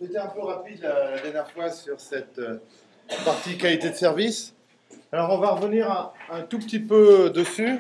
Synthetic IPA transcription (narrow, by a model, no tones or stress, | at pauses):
net̪ɛɛ̃pøʁapid̪lalad̪ɛʁnjɛʁfwasyʁsɛt̪ø | paʁt̪ikalit̪ed̪əsɛʁvis | alɔʁɔ̃vaʁəvəniʁãɛ̃t̪upət̪ipød̪əsy